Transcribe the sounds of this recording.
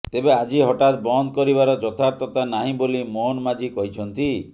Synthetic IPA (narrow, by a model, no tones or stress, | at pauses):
t̪ebead͡ʒiɦɔʈat̪bɔnd̪kɔɾibaɾɔd͡ʒɔt̪ʰaɾt̪ɔt̪anaɦĩbolimoɦnmad͡ʒikɔɦit͡ʃʰɔnt̪i